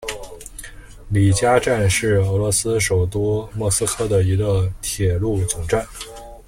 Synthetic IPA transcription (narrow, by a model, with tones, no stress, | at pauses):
li˨˩t͡ɕja˥ʈ͡ʂa˥˧nʂɻ̩˥˩ɤ˧˥lwɔ˧˥sɹ̩˥ʂo˨˩ʊt̪u˥mwɔ˥˩sɹ̩˥kʰɤ˥˩d̪ə˩i˧˥ɡə˧t̪ʰjɛ˨˩lu˥˩t͡sʊ˨˩ŋʈ͡ʂa˥˩n